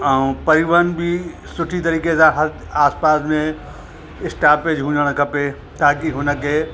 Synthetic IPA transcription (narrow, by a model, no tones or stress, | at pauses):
əũpɐɾiʋənbʱi | sʊʈʰit̪ɐɾiːkesãɦɐɾ | aːspaːsmẽ | ɪsʈaːpeːd͡ʒɦũːɲd͡ʒəɽ̃kʰɐpe | t̪aːkiɦʊnəke